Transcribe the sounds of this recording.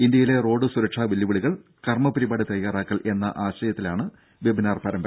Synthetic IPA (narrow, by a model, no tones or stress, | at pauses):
ind̪jɐjile̞ro̞ːɖɨsuɾɐkʂaːʋilːɐʋiɭiɣɐɭ | kɐrmɐpɐɾibaːɽɨt̪ɐjjaːraːkːɐɭʔe̞nːɐ̰ʔaːɕɐjɐt̪ːilaːɳɨ | ʋebʱinaːrpɐːɾɐmbɐ